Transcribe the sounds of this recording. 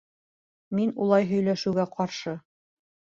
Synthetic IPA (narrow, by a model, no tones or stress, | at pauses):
minṵlˠɑjɦɵ̆jlæʃɘ̆wɡæqɑɾʃɤ